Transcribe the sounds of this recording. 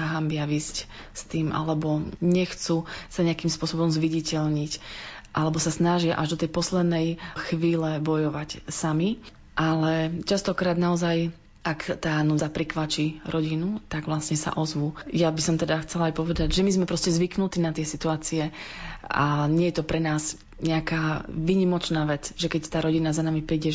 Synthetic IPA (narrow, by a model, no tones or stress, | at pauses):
aɦambɪaʋiːsc | st̪iːmʔa̰lɛbɔɲɛxt͡susaɲɛakimspʊɔsɔbɔmzʋiɟicɛʎɲicʔalɛbɔsasnaʒɪaʔaʒd̪ɔt̪ɛjpɔslɛd̪nɛjxʋiːlɛbɔjɔʋacsami | ʔalɛt͡ʃast̪ɔkɾaːd̪naɔzaj | ʔakt̪aːnuzapɾikʋat͡ʃiɾɔɟinut̪aɡʋlasɲɛsa̰ʔɔzʋujabisɔmt̪ɛd̪axt͡sɛlajpɔʋɛd̪aɟʒɛmizmɛpɾɔscɛzʋiknut̪iːnat̪ɪɛsit̪uaːt͡siɛ | a̰ɲɪɛjɛt̪ɔpɾɛnaːz | ɲɛakaːʋiɲimɔt͡ʃnaːʋɛt͡sʒɛkɛct̪aːɾɔɟinazanamipɾiːɟɛ